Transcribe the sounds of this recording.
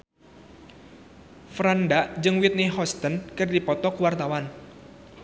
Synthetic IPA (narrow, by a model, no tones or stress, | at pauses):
fɾandaʔd͡ʒɨŋwit̪̚niɦɔst̪ənkɨrdipɔt̪ɔkwart̪awan